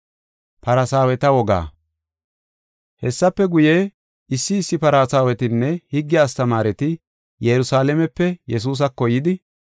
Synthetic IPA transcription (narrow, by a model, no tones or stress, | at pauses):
pɐɾɐsaːwɛt̪ɐwɔɡa̰ː | hɛsːɐpːɛɡʊjeː | ɪsːɪːsːɪpɐɾaːsaːwɛt̪ɪnːɛhɪɡːɪaːst̪ɐmaːɾɛt̪ɪ | jɛɾʊsaːlɛmɛpːɛjɛs̬uːs̬ɐkːɔjɪd̪ɪ